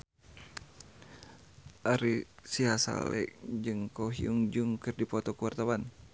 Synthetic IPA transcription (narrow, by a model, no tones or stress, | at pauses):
ʔaɾisiɦasa̰lɛ̰kd͡ʒɨŋkɔɦiuŋd͡ʒuŋkɨrdipɔt̪ɔkuwart̪awan